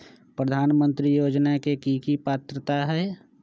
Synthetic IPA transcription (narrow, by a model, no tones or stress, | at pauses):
pɾəd̪ʱaːnmə̃nt̪ɾijoːd͡ʒnakekikipaːt̪ɾət̪aɦɛː